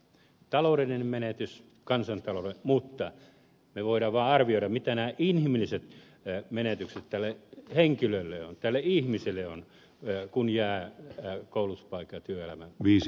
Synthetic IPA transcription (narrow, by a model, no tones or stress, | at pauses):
t̪ɑlouɾelninemmenet̪ys | kɑnsɑnt̪ɑlolemut̪ːɑ | meʋoiɾɑːʋʋɑːɑrʋioiɾɑmmit̪ænæːʔinhimilːˑiset̪ | menet̪ykset̪t̪ælːeheŋkilølːeont̪ælːeihmiselːeon | kunjæː | koˑuluu̥spɑikːˑɑt̪yøelæmæʋiːs